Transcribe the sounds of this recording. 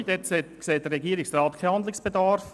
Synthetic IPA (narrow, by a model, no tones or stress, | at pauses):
dɛtseːtkseːd̥əɾɛɡiːɾɪksrɑːtkʰahɑnd̪lɪsb̥edɑɾf